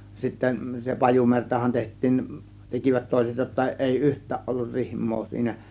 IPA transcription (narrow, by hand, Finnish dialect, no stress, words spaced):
sitːen se pɑjumertɑhɑn tehtˑiːn tekiʋæt toˑe̝set jotːɑ ʔeˑi yhtˑæːʔ ʔolːur rihmˑoː siːnæ